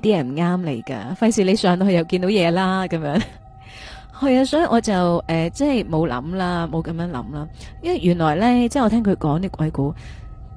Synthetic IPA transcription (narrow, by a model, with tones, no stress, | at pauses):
t̪iː˥jɛ˨˩m̩˨˩ŋaː˥mle˨˩jkɐ̰ː˧fɐ˧jsiː˨le˨˧jsœː˨˥ŋt̪ːhɵ˧jɐ˨˩wkiː˧nt̪o˨˥wjɛː˨˧laː˥kɐ˨˥mjœː˨˧˥ŋ | hɐ˨˧jaː˧sɔː˨˥ji˨˧ʔɔː˨˧t͡sɐ˨wʔɛː˨˩t͡sɛ˥˩jmo˨˧wlɐ̰˨˥mlaː˥mo˨˧wkɐ˧mjɐː˨˧˥ŋlɐ̰˨˥mlaː˥jɐ˥˨˩jyː˨˩nlɔː˨˩jlɛː˥t͡sɛ˥˩ŋɔː˨˧t̪ʰɛː˥ŋkʰɵ˨˧kɔː˨˥ŋt̪iː˥kʰʷɐ˨˥jkuː˨˥